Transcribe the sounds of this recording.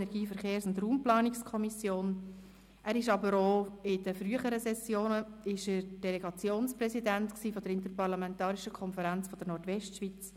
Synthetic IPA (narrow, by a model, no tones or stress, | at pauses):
ɛɾɡiːfəɾχeːɾsʊndruːmplɑːnɪkskʰɔmisjoːn | ʔæːɾɪʃɑbəɾoːɪdəfryəχəɾəsɛsjoːnəɪʃəɾd̥ɛlɛɡɑt͡sjoːnsprɛsidæntksiːfɔd̪əɾɪntəɾpɑɾlɑmɛntɑːɾiʃəkʰɔnfəɾænt͡sfɔd̥̪əɾnɔɾtʋɛʃtʃʋiːt͡s